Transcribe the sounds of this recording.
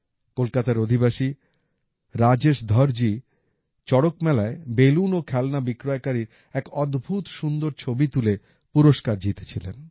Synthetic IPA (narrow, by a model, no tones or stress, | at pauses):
kolkat̪aɾod̪ʱibaʃi | ɾad͡ʑeʃd̪ʱɔɾd͡ʑi | t͡ɕɔɽokmɛlaebelunokʰɛlnabikɾɔekaɾiɾ | ɛkɔd̪bʱut̪ʃund̪oɾt͡ɕʰobit̪ule | puɾoʃkaɾd͡ʑit̪e̥t͡ɕʰilen